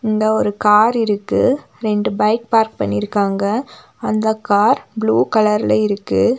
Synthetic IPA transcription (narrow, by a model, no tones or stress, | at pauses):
ɪnd̪ɐɔɾɯkaːɾɪɾɯkːɯ | ɾɛɳɖɯbɐɪk̚paːɾk̚pɐ̰ɳːɪɾɯkːaːŋɡɐ | ɐnd̪ɐkaːɾbɭuːkɐlɐɾɪlɐɪɾɯkːɯ